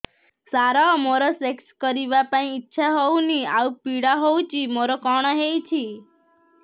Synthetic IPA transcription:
saɾamoɾasekskəɾiʋapaĩːtːʃʰaɦɔwniaupiɽaɦout͡ʃʰimoɾokɔɳ̃ɔɦejt͡ʃʰi

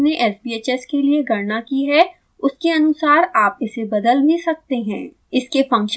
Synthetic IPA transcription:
neʔɛːsbieːt͡ʃɛskelieɡʱɐɾnakiɦɛ | ʊskeɐnʊsaːɾaːpɪsebɐd̪əlmẽsɐk̚t̪eɦɛ̰̃ː | ɪskefɐ̃ŋkʃ

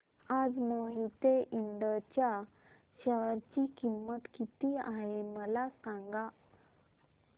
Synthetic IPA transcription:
ad͡zmoɦit̪eʔiɳɖət͡ɕja | ɕəʋɾt͡ɕikimːət̪kit̪iaɦeməlasãŋɡa

